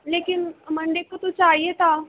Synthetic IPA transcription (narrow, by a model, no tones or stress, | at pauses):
lekinm̤əɳd͡ʑekːət̪ut͡saːjjet̪a